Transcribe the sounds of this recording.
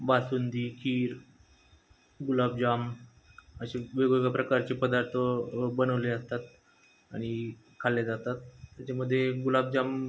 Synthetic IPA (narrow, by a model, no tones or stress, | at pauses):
basund̪iːkʰiːɾ | ɡulab̚d͡ʑam | əɕeʋeɡʋeɡapɾəkaɾt͡ɕepəd̪aɾt̪ʰəbənəʋleəst̪at̪ | a̰ɽ̃i | kʰalːed͡zat̪at̪ːjat͡ɕaməd̪ʱːjeɡulab̚d͡ʑam